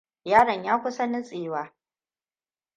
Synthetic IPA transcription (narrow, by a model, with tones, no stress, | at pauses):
jaː˦ɾɐ˨ɲjaː˦kʷʊ˦sɐ˦nɪ˦sʼeː˨waː˦